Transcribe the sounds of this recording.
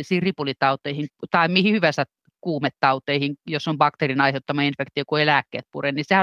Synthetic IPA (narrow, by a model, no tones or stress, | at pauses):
isiːrripulit̪ɑut̪ˑeihiŋt̪ɑimihihyʋæsæt | kuːmet̪tɑut̪eihiŋjosːombɑkt̪erinɑiheut̪ːɑmɑinfekt̪iokuelæːkːḛːt̪̚purennisehæ